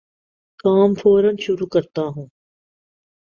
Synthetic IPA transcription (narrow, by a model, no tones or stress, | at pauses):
kaːmfʰoːɾənʃʊɾuːkəɾt̪aːɦũː